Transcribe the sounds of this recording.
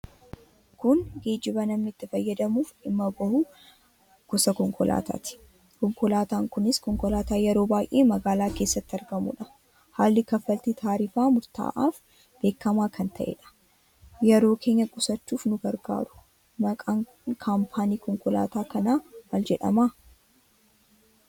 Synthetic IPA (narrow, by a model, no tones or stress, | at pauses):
kʊnɡeːd͡ʒɪbɐnɐmnɪɪt̪ːɪfɐjːɐd̪ɐmuːfɪmːɐbɐhʊ | ɡ̥ʊsɐkɔŋkɔlʔa̰ːt̪a̰ːt̪ɪ̥ | kɔŋkɔlaːt̪aːŋkʊnɪskɔŋkɔlaːt̪aːjɛɾo̞ːbaːjʔeːmɐɡaːlaːke̞ːsːɐt̪ːɐɾɡɐmṵᶑɐ̥ | haːlːɪkɐfːɐlt̪it̪ʰaːɾiːfaːmʊɾt̪a̰ːʔaːf | b̥eːkːɐmaːkʰɐnt̪ʰɐʔḛːᶑɐ̥ | jɛɾo̞ːkʰe̞ːɲːɐkʼʊsɐt͡ʃːuːfnʊɡɐɾɡa̰ːɾʊ̥ | mɐkʼaːŋ | kʰaːmpʰaːniːkɔŋkɔla̰ːt̪aːkɐnaːmɐld͡ʒɛᶑɐ̰maː